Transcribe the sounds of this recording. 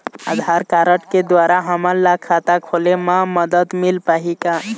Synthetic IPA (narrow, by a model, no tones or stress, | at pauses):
a̰d̪ʱaɾkaɾəʈked̪ʋaɾaɦəməɾlakʰat̪akʰolemãməd̪əd̪milpaɦika